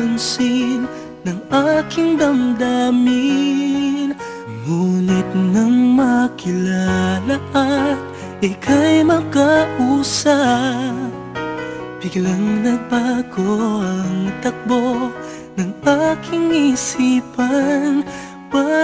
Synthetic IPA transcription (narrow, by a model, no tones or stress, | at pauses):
ɐnsin | nɐŋakɪŋd̪ɐmd̪aːmɪ | n | muːnɪt̪̚nɐŋmɐkɪlalaʔɐt̪̚ | ʔɐkʰɐjmɐkɐʔuːsɐ | p | b̥ɪɡlɐŋnɐɡ̚baɡoɐŋt̪ɐk̚bo | nɐŋakʰɪŋisiːpɐn | pa